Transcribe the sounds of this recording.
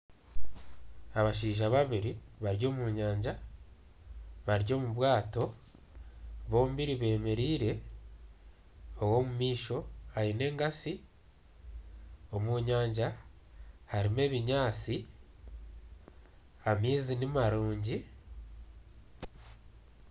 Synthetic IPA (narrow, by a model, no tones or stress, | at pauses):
aβaʃ̬iːʒaβaβiɾiβaɾjo̞ːmuːɲaːɲɟa | βaɾjo̞ːmuβwaːto̞ | βo̞ːmbiɾiβe̞ːme̞ɾiːɾe̞ | owo̞mumiːʃo̞ajine̞ːŋɡasi | o̞muɲaːɲɟa | haɾime̞ːβiɲaːt͡si | amiːzinimaɾuːɲɟi